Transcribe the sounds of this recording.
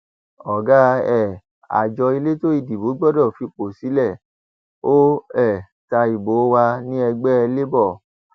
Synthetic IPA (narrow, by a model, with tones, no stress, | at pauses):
ɔ˨ɡa˦ɛ˦˨ | a̰˨d͡ʒɔ˧i˧le˦to˦i˦˨di˨bo˨˦ɡ͡bɔ˦˨dɔ˦˨fi˧k͡po˨si˨˦lɛ˦˨ | o˦ɛ˦˨ | ta˧i˨bo˨˦wa˧nĩ˦ɛ˧ɡ͡bɛ˦ɛ˧le˦bɔ˦˨